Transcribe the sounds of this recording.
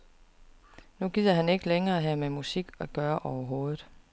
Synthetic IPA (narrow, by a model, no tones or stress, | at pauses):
nuɡ̥ið̰ˠɐɦæne̝ɡ̥əleŋɐːæɦæmemusiɡ̥ɒɡ̥ɶːɐʔɒʊɐɦo̝ːð̩ˠ